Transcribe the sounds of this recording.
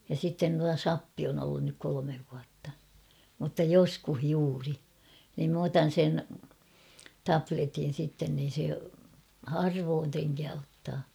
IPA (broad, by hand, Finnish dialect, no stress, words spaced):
jɑ sitːen tuɑ sɑpːi on olːun nyk kolomeʋ ʋuɑtːɑ mutːɑ joskuh juːri niːm m otɑn̞ sen tɑpletin̞ sitːen niːn̞ se hɑrʋoːn treŋkæː otːɑː